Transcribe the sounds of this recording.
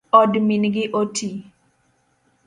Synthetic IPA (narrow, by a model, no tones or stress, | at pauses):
ɔdminɡɪʔoti